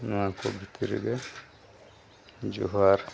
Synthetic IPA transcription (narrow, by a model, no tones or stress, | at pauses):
nakɔbitiɾḭɡɛ | d͡ʒṵɦaːɾ